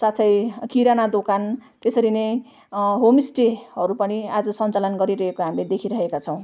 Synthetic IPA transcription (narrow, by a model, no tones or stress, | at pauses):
sat̪ʰʌjkiɾanad̪okant̪esʌɾinej | ɦomisʈeɦʌɾupʌniad͡zʌsʌnt͡salʌnɡʌɾiɾʌɦekoɦamled̪ekʰiɾʌɦekat͡sʰʌw̃